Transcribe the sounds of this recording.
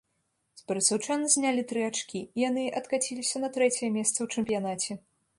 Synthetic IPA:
spɐɾɐt̪sɐwt͡ʂanɨzʲnʲalʲit̪ɾɨat͡ʂkʲiːjanɨʔɐt̪kat͡sʲilʲisʲɐnɐt̪ɾɛt͡sʲɛjɛmʲɛst̪sɐwt͡ʂɨmpʲijanat͡sʲɛ

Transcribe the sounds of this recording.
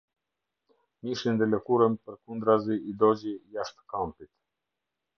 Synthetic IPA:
miʃind̪ɛlɛkuɾəmpəɾkund̪ɾaziːd̪ɔd͡ʑijaʃt̪kampit̪

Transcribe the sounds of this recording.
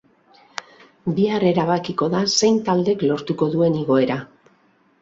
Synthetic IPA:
biare̞ɾaβ̞akiko̞ðase̞jnt̪ald̪e̞klo̞ɾt̪uko̞ðue̞niɣo̞e̞ɾa

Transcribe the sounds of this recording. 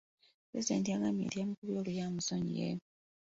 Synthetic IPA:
pɾezide̞ːntijaɡamjḛtjamikuβjoːlujamusoɲḭjḛ

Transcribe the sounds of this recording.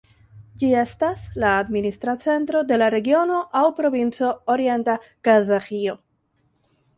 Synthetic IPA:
d͡ʒie̞staslaːdministɾat͡se̞ntɾo̞de̞laɾe̞ɡio̞no̞ʔawpɾo̞vint͡so̞oɾie̞ntakazaxio̞

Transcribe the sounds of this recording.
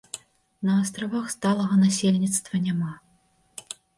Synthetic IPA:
nɐːst̪ɾavaxst̪alˠɐɣɐnasʲelʲnʲit̪st̪vɐnʲama

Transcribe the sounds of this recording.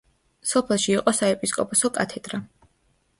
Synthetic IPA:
sɔpʰɛlˠʃiːqʼɔsaɛpʼiskʼɔpʰʼɔsɔkʼat̪ʰɛd̪̥ɾa

